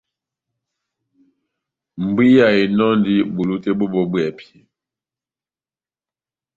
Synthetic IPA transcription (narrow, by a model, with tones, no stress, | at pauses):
m̩˨bi˦ja˨i˨nɔ˦ndi˦bu˨lu˦te˦bo˦bɔ˨bwɛ˨pʰi˨